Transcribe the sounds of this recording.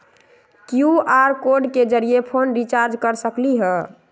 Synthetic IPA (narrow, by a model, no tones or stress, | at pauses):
kjuaɾkoɾɖked͡ʒəɾijepʰonɾit͡ʃaɾd͡ʒkəɾsəkliɦə